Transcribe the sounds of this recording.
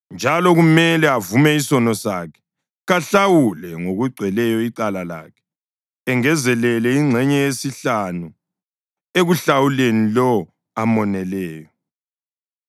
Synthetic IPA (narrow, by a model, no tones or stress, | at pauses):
nd͡ʒʱalɔɣumɛlɛavumɛisɔnɔsakʰɛ̥ | ɣaɬawulɛŋoɣuɡ͡ǀʱwɛlɛjɔiǀalala̰kʰɛ̥ | ɛŋɛzɛlɛlɛiŋ͡ǀʱɛɲɛjesiɬanu | eɣuɬawulenilɔ | amɔnɛlɛːjɔ